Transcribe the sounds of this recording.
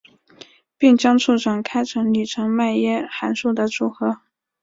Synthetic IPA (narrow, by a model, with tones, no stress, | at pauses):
pi˥˩ŋt͡ɕjɑ˥ŋʈ͡ʂʰu˥˩ʈ͡ʂɑ˨˩ŋkʰa˥ɪʈ͡ʂʰɤ˧˥ŋli˨˩ʈ͡ʂʰɤ˧˥ŋma˥˩njɛ˥xa˧˥nʂu˥˩d̪ə˩ʈ͡ʂu˨˩xɤ˧˥